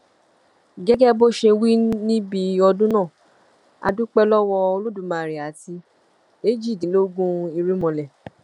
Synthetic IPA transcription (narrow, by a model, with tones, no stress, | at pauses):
ɡɛ˦ɡɛ˦bo˦ʃe˧wi˦nĩ˦bi˧ɔ˧dũ˦nã˦˨ | a̰˧dũ˦k͡pɛ˦lɔ˦wɔ˧o˧lu˦dũ˨mã˨ɾi˨a˨ti˧ | e˦d͡ʒi˦˨dĩ˨˦lo˦ɡũ˦i˧ɾi˦mɔ̃˧lɛ˨